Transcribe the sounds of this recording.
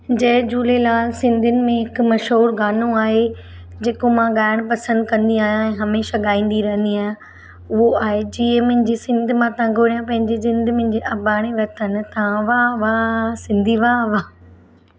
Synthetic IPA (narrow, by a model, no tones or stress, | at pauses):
d͡ʑɐɦd͡ʑuːlelaːlsɪ̃nd̪ʱɪnɪ̆mẽɦɪkmɐʃɦuːɾɡaːnõaːɦe | d͡ʑeːkomãɠaːɪɽ̃pɐsə̃nd̪kɐ̃nd̪iaːɦjãɛ̃ːɦɐmeːʃaɠaːĩːn̆d̪iɾɐɦə̃nd̪iaːɦjã | ʊɦoaːɦed͡ʑiːẽmʊ̃ɪ̃d͡ʑesɪ̃nd̪ʱʊmãt̪ɐ̃ɡʱoːɽjãpɐ̃ɦɪ̃ɲd͡ʑezɪ̃nd̪ʱmʊ̃ɲ̆d͡ʑeʔɐbaːɽ̃eʋɐt̪ʰən̆t̪ɐãʋaʋaːsɪ̃nd̪ʱiʋaːʋaː